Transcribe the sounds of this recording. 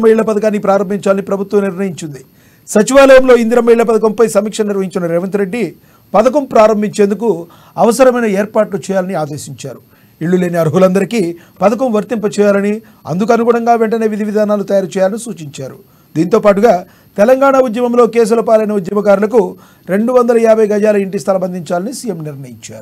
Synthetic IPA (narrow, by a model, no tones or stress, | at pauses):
ɐmɐiɭːɐpɐd̪ɐkaːnːipɾaːɾɐmbʱiɲt͡ʃaːlɐnipɾɐbʱut̪wɐmniɾnɐjiɲt͡ʃind̪i | sɐt͡ʃiʋaːlɐjɐmlo̞ːind̪iɾɐmːɐjiɭːɐp̬ɐd̪ɐkɐmpɐjsɐmiːkʂɐniɾʋɐɦiɲt͡ʃunɐɾɛːʋɐnt̪uɾe̞ɖːi | pɐd̪ɐk̬ɐmpɾaːɾɐmbʱiɲt͡ʃe̞ːnd̪uku | ɐʋɐsɐɾɐmɐjnɐeːɾpaːʈlut͡ʃɛːjaːlɐniaːd̪e̞ːsiɲt͡ʃaːɾu | iɭːule̞ːniɐɾɦulɐnd̪ɐɾiki | pɐd̪ɐk̬ɐmʋɐɾt̪impɐt͡ʃɛːjaːlɐni | ɐ̰nd̪uk̬ɐnuɡuːɳɐŋɡaːʋeɳʈɐneːʋid̪ʱiʋid̪ʱaːnaːlut̪ɐjaːɾt͡ʃɛːjaːlɐnisuːt͡ʃiɲt͡ʃaːɾu | d̪iːnt̪oːpaːʈ̬uɡaː | t̪ɛlɐŋɡaːɳaud̪jɐmɐmlo̞ːke̞ːs̬ulɐpaːlɐjnɐud̪jɐmɐɡaːɾulɐk̬u | ɾe̞ɳɖuʋɐnd̪ɐlɐjaːbʱɐjɡɐd͡ʒaːlɐiɳʈist̪ʰɐlɐbɐnd̪ʱiɲt͡ʃaːlɐnisiːjemniɾnɐjiɲt͡ʃa̰ːɾu